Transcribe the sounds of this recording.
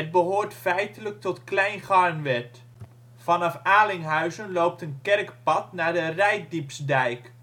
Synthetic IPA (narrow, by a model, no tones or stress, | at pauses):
əd̚bəɦoːɹtfɛjtələk̚tɔtklɛjnχɑɹnʋɛt | fɑnɑfaːlɪŋɦœɥzənlowp̚tənkɛrkpɑtnaːɹdərɛjk̚dipsdɛjk